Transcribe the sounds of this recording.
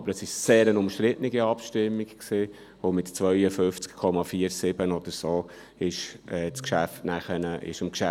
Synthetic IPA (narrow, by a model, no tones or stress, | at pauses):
ɑbəɾəsɪʃseːɾənʊmʃtɾɪtniɡiɑpʃtɪmːikksɪː | omɪtt͡sʋœʏəfʏft͡skkʰɔmɑfiːəɾsɪb̥ənɔd̥̪əɾsoː | ɪʃɛːt͡skʃæftnæχənəʔɪ̰ʃɪmkʃæ